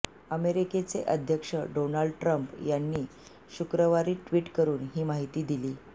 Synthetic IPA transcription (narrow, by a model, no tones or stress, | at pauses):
əmeɾiket͡sḛʔəd̪ʱjəkʂəɖonaɭɖʈɾəmpjanːiː | ɕukɾəʋaɾiːʈʋiːʈkəɾuːnɦiːmaɦit̪iːd̪iliː